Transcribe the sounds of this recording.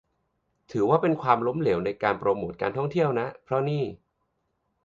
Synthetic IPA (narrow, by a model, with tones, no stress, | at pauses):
t̪ʰɯː˩˦waː˥˩pe˧nkʰwaː˧mlo˦˥mle˩˦wna˧jkaː˧npɾoː˧moː˨˩t̪̚kaː˧nt̪ʰɔ˥˩ŋt̪ʰi˥˩əwna˦˥ʔpʰɾɔ˦˥niː˥˩